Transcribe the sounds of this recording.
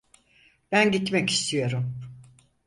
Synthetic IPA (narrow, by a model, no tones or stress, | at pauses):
b̥ænɟit̪mɛci̥st̪ʰijo̞ɾum